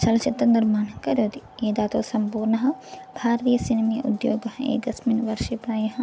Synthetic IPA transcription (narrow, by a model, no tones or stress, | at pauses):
t͡ʃɐlɐt͡ʃit̪ːɐnd̪ɐɾmaːnɐkɐɾjoːd̪ieːd̪aːt̪oːsɐmpuːɾnɐɦɐ̆bʱaːɾt̪ijɐsinɐmeʔṵd̪jo̰ːɡɐɦɐḛːkɐsminʋɐɾʃepɾaːjɐɦɐ